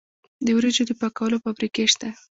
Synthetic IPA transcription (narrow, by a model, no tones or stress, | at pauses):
d̪əwɾed͡ʒod̪əpakawəlofabɾikeʃt̪a